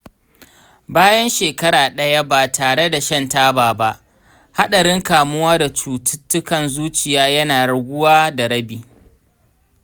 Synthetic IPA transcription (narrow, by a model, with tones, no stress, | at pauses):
baː˦jɐ˦nʃeː˨kɐ˦ɽaː˨ɗɐ˦ja˦baː˨tʰaː˨ɽe˦da˨ʃɐ˦ntaː˦baː˨ba˦ʔ | ha˦ɗɐ˨ɽɪ˦ŋkaː˨mʊ˦waː˦da˨t͡ʃuː˨tɪ˦tːʊ˦kɐ˨nzuː˦t͡ʃɪ˨jaː˦jɐ˦naː˨ɾʊ˨ɡʷʊ˦waː˦da˨ɽɐ˦biː˨